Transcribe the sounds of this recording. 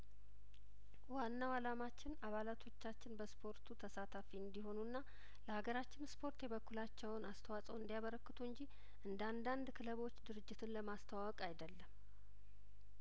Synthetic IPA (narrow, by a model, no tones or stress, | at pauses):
wanːawalamat͡ʃːɪnaβalat̪ʰo̞t͡ʃːat͡ʃːɪnbəspʰo̞ɾt̪ʰut̪ʰəsat̪ʰafiɨnd̪iɦo̞nunːa | ləhaɡəɾat͡ʃːɪnspʰo̞ɾt̪jɛβəkːulat͡ʃːɛwnast̪ʰəwasʼəwɨnd̪ijaβəɾəkːɨt̪ʰuɨɲd͡ʒi | ʔɨnd̪əand̪and̪kʰɨləβo̞t͡ʃːd̪ɨɾɨd͡ʒːɪt̪ʰɨnləmast̪ʰəwawɔkʼajd̪əlːəm